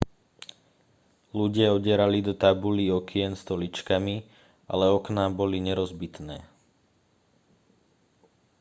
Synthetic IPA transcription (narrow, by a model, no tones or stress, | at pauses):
luɟɪaɔɟɛɾalid̪ɔt̪abuliɔkɪɛnst̪ɔlit͡ʃkami | ʔa̰lɛɔknabɔliɲɛɾɔzbit̪nɛː